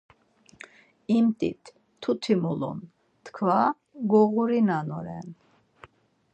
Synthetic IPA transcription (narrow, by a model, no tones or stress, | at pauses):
imt̪ʼḭt̪ʰː | ut̪ʰimulṵn | t̪kʰva | ɡɔɣuɾinanɔɾɛ̰n